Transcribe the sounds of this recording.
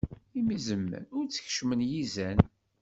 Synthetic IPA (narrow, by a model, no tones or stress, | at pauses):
imizəmːə̰nʊɾt͡sːə̥çʃmənjizæn